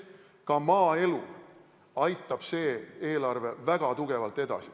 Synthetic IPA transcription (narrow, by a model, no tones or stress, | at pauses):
kɑmɑːe̞lu | ɑjt̪ːˑɑb̥se̞ːe̞ːlɑrve̞væɡ̥ɑt̪uɡ̥e̞vɑlt̪ːˑe̞d̪̥ɑ̰si̥